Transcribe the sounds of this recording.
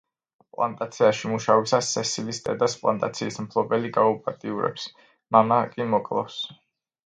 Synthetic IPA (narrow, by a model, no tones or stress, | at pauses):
pʼlˠa̰nt̪ʼat̪sʰiaʃimuʃavisasɛsilist̪ʼɛ̰d̪aspʼlˠa̰nt̪ʼa̰t̪sʰiːsmpʰlˠɔbɛliɡaupʼat̪ʼiuɾɛ̰ps | mamakʼimɔkʼlˠa̰fs